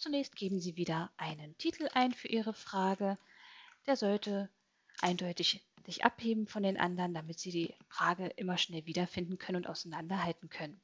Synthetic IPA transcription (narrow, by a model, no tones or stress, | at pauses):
t͡sunɛːçst̚ɡ̥eːbm̩ziːviːdɐʔaɪnəntʰiːtʰl̩ʔaɪnfyːɐʔiːʁ̞əfʁ̥aːɡə | d̥eːɐzɔltʰə | ʔaɪndɔʏtɪçz̥ɪçʔa̰pheːbm̩fɔndeːnʔa̰ndɐʁəndamɪtz̥iːdiːfʁ̥aːɡəʔɪmɐʃnɛlviːdɐfɪndn̩kʰœnənʊnta̰ʊsaɪnandɐhaltn̩kʰœnən